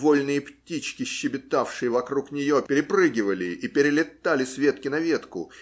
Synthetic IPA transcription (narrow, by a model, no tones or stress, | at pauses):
volʲnɨjəptʲit͡ɕkʲɪɕːɪbʲɪt̪afʂɨjəvɐkɾuknʲɪjo̞pʲɪɾʲɪprɨɡʲɪvəlʲɪʔipʲɪɾʲɪlʲɪt̪alʲɪsvʲe̞t̪̚kʲɪnɐvʲe̞t̪kʊ̰